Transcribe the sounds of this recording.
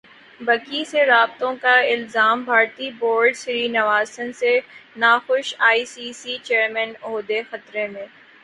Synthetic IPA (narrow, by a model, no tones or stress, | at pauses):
bɐkiseɾaːb̚t̪õkaɪlzaːmbʱaːɾt̪iboːɾɖsɪɾiːnɐʋaːsənsenaːxʊʃaːiːsiːsit͡ʃeːɾmɛnoːd̪exɐt̪ɾemẽː